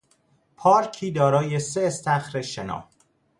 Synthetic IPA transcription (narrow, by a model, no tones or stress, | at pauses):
pʰɒːɾcʰiːd̪ɒːɾɒːje̞seːst̪æxɾeʃenɒ̰ːh